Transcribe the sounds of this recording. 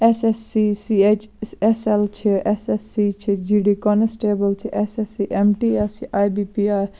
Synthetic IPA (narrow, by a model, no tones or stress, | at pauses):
esesːisiet͡ʃseselt͡ʃʰiesesːit͡ʃʰid͡ʒiɖikɔnesʈeːbəlt͡ʃʰiʔesesiʔemʈiesiʔaːjbipiaːɾ